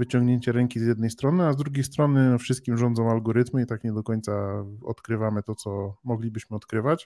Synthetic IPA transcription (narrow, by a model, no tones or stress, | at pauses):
vɘt͡ɕɔŋɡɲeɲt͡ɕɛɾɛŋkʲizʲjɛd̪nɛjst̪ɾɔnɘazd̪ɾuɡʲejst̪ɾɔnɘɔfʂɘst̪̚kʲimʐɔnd̪zɔ̃w̃alɡɔɾɘt̪mɘit̪akɲɛd̪ɔkɔɲʲt̪saɔ̰t̪kɾɘvamɘt̪ɔt̪sɔmɔɡlʲibɘɕmɘɔt̪kɾɘvat͡ɕ